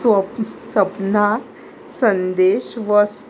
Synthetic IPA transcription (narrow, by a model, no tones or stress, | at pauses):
ʋəsəpn̤a | sənd̪eɕʋəs